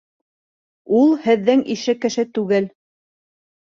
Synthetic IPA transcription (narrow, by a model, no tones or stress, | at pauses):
ulˠhɘ̆ðːɘŋiʃɘkɘ̆ʃɘt̪ʉɡɘl